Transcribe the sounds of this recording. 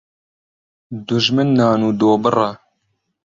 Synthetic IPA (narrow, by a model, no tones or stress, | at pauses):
d̪ʊʒmɨnːɑːnuːd̪oːbɨra